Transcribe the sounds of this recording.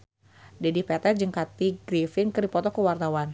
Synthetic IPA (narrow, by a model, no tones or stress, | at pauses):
dɛdipɛt̪ɛd͡ʒəŋkat̪iɡɾifɪnkərdipɔt̪ɔkəwart̪awan